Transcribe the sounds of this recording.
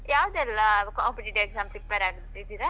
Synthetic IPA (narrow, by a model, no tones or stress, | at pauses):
jaːʋɐd̪uɛlːɐkaːmpiʈiʈeɡzaːmsipːɐɾaːɡut̪ːid̪iːɾɐ